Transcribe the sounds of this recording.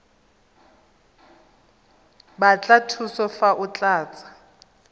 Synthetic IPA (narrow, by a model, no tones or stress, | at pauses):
bat͡ɬʼatʰusɔfaʔʊt͡ɬʼaːt͡sʼḁ